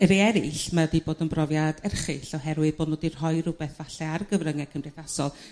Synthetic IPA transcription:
əɾiɛɾɪɬmadiboːdənbrɔvjad̥ɛrχɪɬɔhɛɾwɨðboːdnoːdir̥ɦɔjrʊbɛθvaɬɛarɡəvrəŋɛkʰəmrɨθasɔlˠ

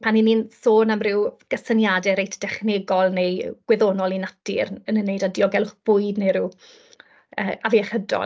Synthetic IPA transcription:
pʰaniniːnsoːnamrɪwɡ̥əsənjadɛɾejtʰd̥ɛχneɡɔlˠnejɡ̥wɛðonɔlˠinatʰɪ̰rənənːejdadiɔɡɛlʊχb̥ʊɨdnejɾɪ | əːaviaχədɔ̰

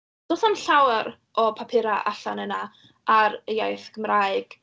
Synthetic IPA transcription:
d̥oːθanɬawɾ | ɔpʰapʰɪɾaʔa̰ɬanəna | ʔaɾəjajθkʰəmraːjɨɡ̥

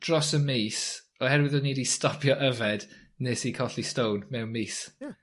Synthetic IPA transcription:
d̥rɔsəmeːs | ɔhɛɾwɪðɔniːdistɔpʰjɔʔəvɛd̥ | neːsikʰɔɬistownmɛwnmeːs

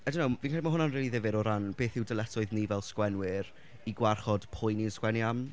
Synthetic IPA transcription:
ɛdɪwnowvinkaːlmaɦʊnanriːlˠiðɪvɪɾɔɾanb̥eːθɪwdəlˠɛtʰɔɨðnivɛlˠskwɛnwɪɾ | iɡwarχɔd̥pʰʊjniənskwɛnjam

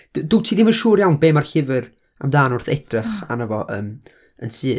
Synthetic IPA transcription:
d̥duːtʰiːdimənʃuːrjawnbeːmarɬɪvɨr | a̰mdaːnʊrθɛd̥rɪχa̰nəvɔʔəːm | ənsɨː

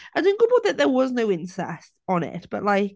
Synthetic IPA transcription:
aɪdõnɡoʊbaʊʔðəʔðəwɒznoʊɪ̃nsɛ̰stn̩ɪ̰ʔb̥ʌ̰ʔlaɪk

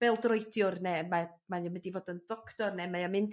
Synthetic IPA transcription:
b̥ɛlˠdrɔjdjʊrnɛmamajɔmɛdivoːdəndɔkʰtɔrnɛmajamɪnd

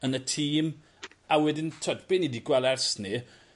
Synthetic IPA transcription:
ənətʰiːm | awɛdɪntʰɔdb̥ɪnidiɡwɛlˠɛrsni

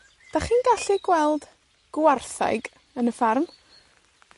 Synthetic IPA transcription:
d̥aχiːnɡaɬiɡwɛlˠd̥ | ɡ̥warθa̰jɡ | ənəfarm

